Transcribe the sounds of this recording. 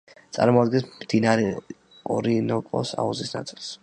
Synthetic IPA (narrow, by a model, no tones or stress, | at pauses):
t̪sʼa̰ɾmɔad̪̚ɡɛnsmd̪̥inaɾɛ | ɔɾinɔkʼɔ̰sa̰uzisna̰t̪sʼilˠs